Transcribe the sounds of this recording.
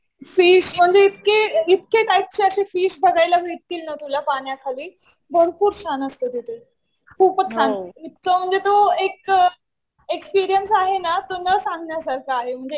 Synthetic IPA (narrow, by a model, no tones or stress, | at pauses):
fiːɕm̤əɳd͡zeit̪̚keit̪̚keʈajp̚t͡ɕiəɕifiːʂd̪ʱəɡajlaʋeʈt̪ːiːlnət̪ulapaɳjakʰaliː | bʱəɽpuːɾt͡ɕʰanəst̪od̪ʱet̪e | kuːpət͡ɕʰãnit̪̚kəm̤əɳd͡zet̪oek | ekspiːɾijənsaɦenat̪onəsãŋɡʱnjad͡zalt̪aːɦem̤əɳd͡ze